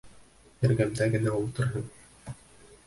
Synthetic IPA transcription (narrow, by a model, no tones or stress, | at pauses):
ɘ̆ɾɡæmd̪æɡɘ̆næulˠt̪ɤ̆ɾɦɤn